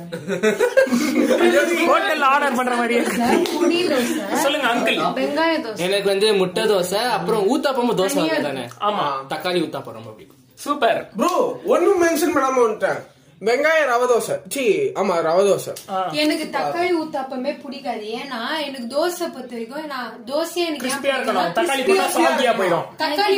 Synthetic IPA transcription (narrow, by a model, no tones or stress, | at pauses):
okoːʈːɛlaːɽɐɾpɐɳːɾɐmaːɾɪjniːd̪oːsɐsɔlːɯŋɡɐɐŋk̪ɯlbɛŋɡaːjɐɾd̪oːsɛnɐkːɯʋɐnd̪ɯmʊʈːɐd̪oːsɐɐpːɯɾɔ̃uːt̪ːaːpːɐmaːd̪oːsɐaːɐt̪ːaːnɛ̰aːmaːt̪ɐkːaːliuːt̪ːaːpːɐɾɔmbɐpːɐɽɪkː | suːpɐɾbɾuɔnːɯmɛnʂɐnmɐɽaːmaɐnːɯʈːãː | ʋɛŋɡaːjɐɾɐʋɐd̪oːsɐt͡ʃiaːmaːɾɐʋɐd̪oːsɐ̰ːɛnɐkːɯt̪ɐkːaːɭiuːt̪ːaːpːɐmeːpʊɽɪkːaːðɯeːnaːɛnɐkːɯd̪oːsɐpɐt̪ːɐɾɪkːõɛːnːaːd̪oːsɐɐ̃ɛnɐkɾɪsãpijaːɪɾɯkkːɐɳʊ̃kt̪ɐɾkːaːɭipːasɐɐɡɪjaːpoːjɪɾõt̪ɐkːaː